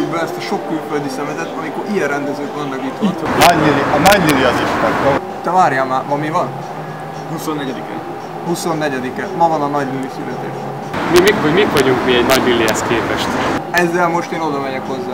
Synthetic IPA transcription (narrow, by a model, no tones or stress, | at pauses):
ibɛɛst̪ɒʃo̞kːylføld̪isɛmɛzɛt̪ːɒmiko̞ɾʔijɛrɛnd̪ɛzøːt̪monlɛɡit̪t̪nɒɟniliɒnɒɟliliɒziʃt̪ɛɾbɔn | t̪ːɛvaːɾjamaːmɒmivɒn | husonːɛɟɛd̪ikɛ̰ | huso̞nːɛɟɛd̪ikɛmɒvɒnɒnɒɟnylːisy̰lɛt̪ḛːʃbɛnmimikɦoɟmikʋɒɟuŋkmiɛɟnɒɟnyliɦɛskeːpɛʃt̪ɛzːɛlmo̞ʃt̪eːno̞d̪ɒmɛɟɛkho̞zːaː